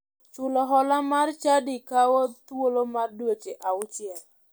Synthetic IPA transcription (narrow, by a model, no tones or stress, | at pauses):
t͡ʃʊlɔɦɔlamart͡ʃadikawɔt̪wolomardwot͡ʃeʔaʊt͡ʃɪɛl